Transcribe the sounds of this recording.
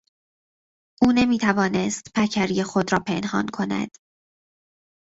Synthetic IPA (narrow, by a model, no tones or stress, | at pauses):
ʔuːne̞miːt̪ʰævɒːne̞st̪pʰæcʰæɾijexo̞d̪ɾɒːpʰe̞nhɒ̰ːnkʰo̞næ̰d̪̥